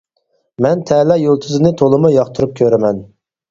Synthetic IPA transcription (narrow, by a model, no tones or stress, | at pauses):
mɛnt̪ʰɛːlɑjolˠt̪ʰɨzɨnɨt̪ʰolˠɨmujɑχt̪ʰuɾup̚kʲʰøɾɪmɛn